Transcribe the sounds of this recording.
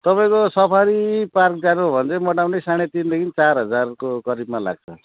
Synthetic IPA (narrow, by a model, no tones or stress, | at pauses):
t̪ʌpaĩkosʌpʰaɾipark̚d͡zanubʱʌnt͡sʌmʌʈawnejsaɽ̃et̪ind̪ʌkʰint͡sarɦʌd͡zarkokʌɾibmala̰ɡ̚t͡sʰʌ